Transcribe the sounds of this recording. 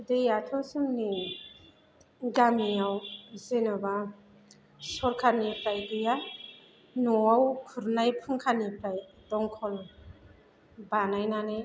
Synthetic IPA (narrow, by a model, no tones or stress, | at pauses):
dejatʰɔsɯŋni | ɡamiawzenɔba | sɔɾkʰanipɾajɡɯja | nɔawkʰuɾnajpʰɯŋkʰanipɾajdɔŋkʰɔl | banajnane